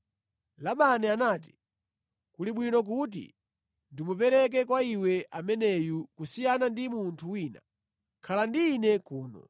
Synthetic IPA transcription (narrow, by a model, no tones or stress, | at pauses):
laɓanɛanaːti̥ | kuliɓwinɔk̬ut̬ḭ | ndimupɛɾɛk̬ɛkwaiwɛʔamɛnɛjukusijanandimuntʰuwiːna̰ | kʰalandiːnɛkuːnɔ̰